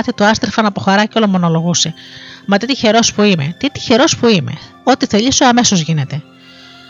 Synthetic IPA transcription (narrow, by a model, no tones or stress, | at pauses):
θit̪uɐst̪ɾfɐnɐpoxɐɾɐcolo̞mono̞lo̞ɣusemɐt̪it̪içe̞ɾo̞spuime̞̰t̪it̪i̥çe̞ɾo̞spuime̞̰ | o̞t̪iθe̞ʎisoɐme̞so̞zʝine̞t̪e̞